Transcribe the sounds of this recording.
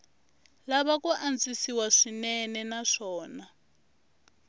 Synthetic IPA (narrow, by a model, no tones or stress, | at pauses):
laβakuʔand͡zisiwaʂinɛnɛnaʂɔːna